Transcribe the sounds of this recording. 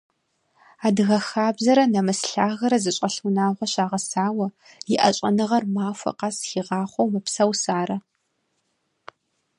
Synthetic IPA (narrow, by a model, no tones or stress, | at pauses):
aːdɨɣɐxaːbzɐɾɐnɐmɨsɬaːɣɐɾɐzɨɕʼɐɬunaːʁʷɐɕaːʁɐsaːwɐ | jɪʔɐ̰ɕʼɐnɨʁɐrmaːfʷɐ̰qɑsxiːʁɑːχʷowmɐpsɐwsaːɾɐ